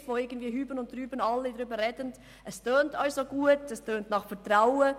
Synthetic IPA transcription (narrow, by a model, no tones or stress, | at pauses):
voːɪɡən̩tviːɦyːbənʊntryːbənɑlːidʁʏːbəʁɛdənd | ʔɛstøːntɑlsoɡ̥uːətɛstʰøːntnɑχfɛtʁaʊə